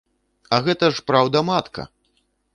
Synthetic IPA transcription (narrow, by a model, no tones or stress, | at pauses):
ɐɣɛt̪ɐʂpɾawd̪ɐmat̪kɐ̰